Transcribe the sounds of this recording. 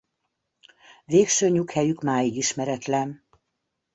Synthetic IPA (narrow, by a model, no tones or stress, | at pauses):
veːkʃøːɲukhɛjykmaːjiɡiʃmɛɾɛt̪lɛn